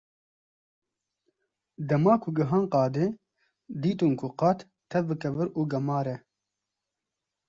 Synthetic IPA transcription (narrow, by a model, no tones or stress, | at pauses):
d̪ɐmaːkʰʊɡɨɦaːnqɑːd̪e | d̪iːt̪ɨnkʰʊqɑt̪ | t̪ʰːɛvbɨkɛvɨɾuːɡɐmɑːɾɛ